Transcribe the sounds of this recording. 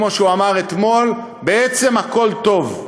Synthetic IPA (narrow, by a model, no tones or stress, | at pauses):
mo̞ʃeuamaʁet̪mo̞l | beet͡se̞mhako̞lt̪o̞v